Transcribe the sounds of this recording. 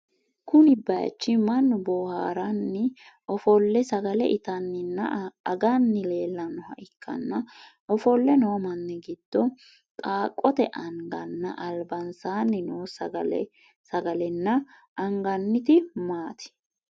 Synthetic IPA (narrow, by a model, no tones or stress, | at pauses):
kʊnɪbɐ̰t͡ʃːɪmɐnːʊbɔːhaːɾɐnːɪ | ɔfɔlːɛsɐɡɐlɛ̰ʔɪt̪ɐnːɪnːɐɐɡɐnːɪle̞ːlːɐnːɔhɐ̰ʔɪkʰːɐ̰nːɐʔɔfɔlːɛnomɐnːɪɡɪd̪̥ːɔ | t̪ʼaːkʼːɔt̪ɛʔɐŋɡɐnːɐ̰ʔɐlbɐnsaːnːɪnoːsɐɐ | sɐɡɐlɛnːɐ | ʔɐŋɡɐnːɪt̪ɪmaːt̪ɪ̥